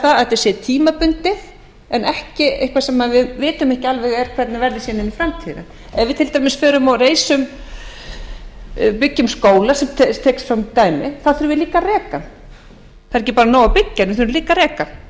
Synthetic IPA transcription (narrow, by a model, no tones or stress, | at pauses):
aɛt̪ɛsɛːt̪ʰiːmapʏnt̪ɪ | ɛnɛhcɪehkvasɛmːaðvɪðvɪːt̪ʏmɛhcɪalvɛɣɛɾ̥kʰvɛt̪navɛɾðɪsɛːnɪnifɾamt̪ʰiða̰ | ɛðvɪðt̪ʰɪlt̪ajmɪsfœːɾʏmawreːjsʏm | pɪcːʏmskoːwlasɛmt̪ʰt̪ʰɛːksfɾamt̪aːjmɪ̰θaðθʏɾʏvɪliːkarɛːkan | θaðɾɛjcɪpaːɾanoːwapɪcːanɪθʏɾʏliːkaɾɛːka